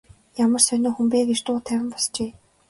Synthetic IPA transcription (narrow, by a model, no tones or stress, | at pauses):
jamə̆rsœnoːxumpeːɡet͡ɕt̪ʊːt̪ʰæwʲɪ̆mpɔst͡ɕeː